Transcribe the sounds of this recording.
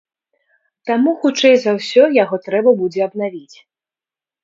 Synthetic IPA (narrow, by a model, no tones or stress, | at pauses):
t̪amuxut͡ʂɛjzawsʲɔjaɣɔt̪ɾɛbɐbud͡zʲɛɐbnavʲit͡sʲ